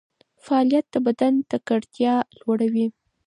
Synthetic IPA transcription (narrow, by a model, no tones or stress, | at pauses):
faːljat̪̚d̪̥əbad̪ant̪akaɽt̪jɑlwaɽawi